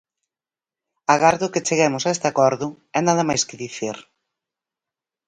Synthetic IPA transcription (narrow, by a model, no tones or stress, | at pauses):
aɣaɾðʊkɪt͡ʃeɣɛmʊsaest̪ɪakɔɾðʊ | ɛnaðɐmajskɪðiθiɾ